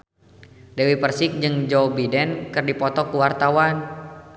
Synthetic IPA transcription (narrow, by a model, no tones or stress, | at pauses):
dɛwipərsɪk̚d͡ʒɨŋd͡ʒɔbidɛnkɨrdipɔt̪ɔkuwart̪awan